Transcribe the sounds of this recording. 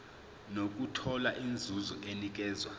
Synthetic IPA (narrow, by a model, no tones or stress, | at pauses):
nok̬utʰɔlaʔind͡zʱuzɔʔenik̬ɛːzwa